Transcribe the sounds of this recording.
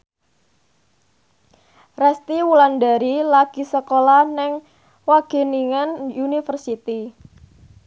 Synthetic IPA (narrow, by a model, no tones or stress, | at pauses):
rɛst̪iwulandaɾilaɡ̥i̤səkolahnɪŋ | waɡ̥e̤niŋanjunifərsit̪i